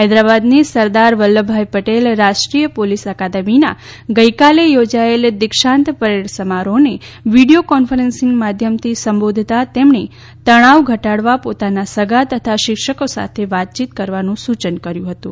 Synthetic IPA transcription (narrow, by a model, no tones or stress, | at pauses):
ɦajd̪ɾabad̪nisəɾd̪aɾʋəlːəbʱajpəʈelɾaʃʈɾijəpolisəkad̪əmina | ɡəjkalejod͡ʒaeled̪ɪkʃãnt̪pəɾeɽsəmaɾoneʋiɽijokɔnfəɾensɪŋɡmad̪ʱjəmt̪ʰisəmbod̪ʱt̪at̪emɳe | t̪əɽ̃aʋɡʱəʈaɽʋapot̪anasəɡʱat̪ət̪ʰaʃɪkʃəkosa̰t̪ʰeʋat̪̚t͡ʃit̪kəɾʋanũsut͡ʃənkəɾjũɦət̪ũ